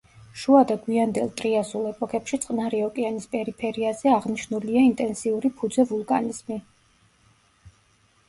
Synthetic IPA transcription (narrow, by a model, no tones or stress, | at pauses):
ʃuad̪aɡwiand̪ɛlˠt̪ʼɾiasulˠɛpʼɔkʰɛpʃit̪sʼqʼnaɾiɔkʼianispʼɛɾipʰɛɾiazɛaʁniʃnuliaint̪ʼɛnsiuɾipʰud̪zɛvulˠkʼaniz̥mi